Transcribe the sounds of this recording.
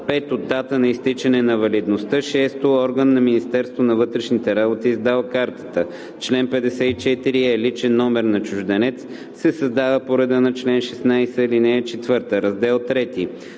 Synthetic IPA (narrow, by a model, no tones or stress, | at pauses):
pɛt̪od̪ːat̪ənɐist̪it͡ʃɐnɛnɐvɐlid̪nost̪əʃɛst̪oɔɾɡənːɐminist̪ɛɾst̪vonɐvɤt̪ɾɛʃnit̪ɛɾabot̪iːzd̪alˠkaɾt̪ə̥t̪ə | t͡ʃlɛnpɛd̪ɛsɛit͡ʃɛt̪iɾiɛlit͡ʃɛnːɔmɛɾnɐt͡ʃʊʒd̪ɐnɛt̪s | sɛsɐzd̪avəpoɾɛd̪ənɐt͡ʃlɛnʃɛsnajsəlinɛɛt͡ʃɛt̪vɤɾt̪əɾɐzd̪ɛlˠt̪ɾɛt̪i